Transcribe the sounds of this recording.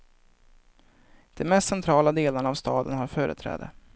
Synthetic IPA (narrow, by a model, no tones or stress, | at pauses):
d̪̥ɛnmɛst̪sɛnt̪ʰɾɑːlad̪eːlanavst̪ɑːd̪ənɦaɾfœːɾʔə̰t̪ʰɾɛ̰ːd̪ə̰